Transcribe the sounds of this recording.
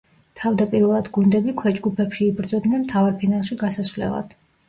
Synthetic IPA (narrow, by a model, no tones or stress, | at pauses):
t̪ʰavd̪apʼiɾvɛlˠad̪ɡund̪ɛbikʰwɛd͡ʒɡupʰɛpʃiːbɾd̪zɔd̪nɛnmt̪ʰavaɾpʰinalˠʃiɡasasvlɛ̰lˠa̰d̪̥